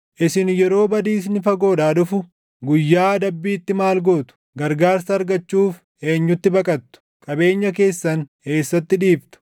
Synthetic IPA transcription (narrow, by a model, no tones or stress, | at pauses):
ʔɪsɪnjɛɾo̞ːbɐd̪iːs̬nɪfɐɡo̞ːᶑaːᶑʊfʊ | ɡʊjːaːd̪ɐbːiːt̪ːɪmaːlɡo̞ːt̪ʊ̥ | ɡɐɾɡaːɾsɐːɾɡɐt͡ʃːuːf | e̞ːɲːʊt̪ːɪbɐkʼɐt̪ːʊ̥ | kʼɐbe̞ːɲːɐke̞ːsːɐn | e̞ːsːɐt̪ːɪᶑiːft̪ʊ̥